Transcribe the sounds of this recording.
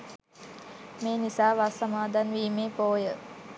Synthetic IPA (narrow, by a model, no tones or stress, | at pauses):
meːnisaːʋasamaːd̪ʱanʋiːmeːpoːjə